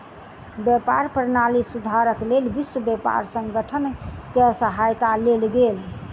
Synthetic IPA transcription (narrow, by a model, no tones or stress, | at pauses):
bjepaɾpəɾnalisud̪ʱaɾəklelbiswəbepa̰ɾsə̃ŋɡəʈʰənkesəɦajt̪alelɡel